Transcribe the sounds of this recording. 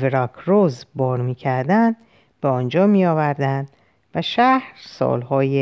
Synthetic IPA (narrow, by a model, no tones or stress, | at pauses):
veɾɒkʰɾozbɒːɾmiːcʰæɾd̪ænd̪̥ | beɒːnd͡ʒɒːmiːjɒːvæɾd̪ænd̪ | væʃæhɾsɒ̰ːlhɒːje